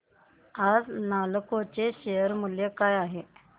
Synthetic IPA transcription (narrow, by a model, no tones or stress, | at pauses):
ad͡znalkot͡ɕeɕejəɾmuljekajaɦe